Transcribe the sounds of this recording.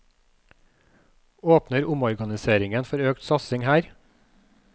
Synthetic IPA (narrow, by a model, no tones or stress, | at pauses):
oːpnəɾʊmɔɾɡɑnɪseːɾɪŋənfɔɾøːkt̪sɑsɪŋhæːɾ